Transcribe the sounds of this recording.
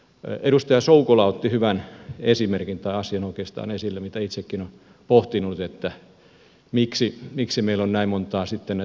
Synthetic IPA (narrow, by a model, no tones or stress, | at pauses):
eɾust̪ɑjɑsoukolɑot̪ːihyʋænesimerkint̪ɑiɑsiɑnoˑikeːˑst̪ɑ̰ːnesilːemit̪æit̪sekːinon | poht̪inut̪et̪ːæ | miksimiksimeilonnæimmont̪ˑɑːsit̪ːene